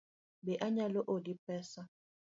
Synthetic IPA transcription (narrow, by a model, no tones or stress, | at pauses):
bɛʔaɲaloʔodipɛsa